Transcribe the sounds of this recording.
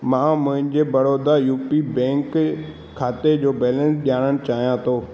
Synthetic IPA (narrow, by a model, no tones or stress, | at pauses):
mãːmʊ̃ɦɪ̃ɲd͡ʑeːbɐɽoːd̪ajuːpibɛ̃ːŋkʰː | aːt̪ed͡ʑoːbɛːlə̃nsɗijaːɽ̃əɽ̃ɪ̆t͡ɕaːɦijãt̪ʰoː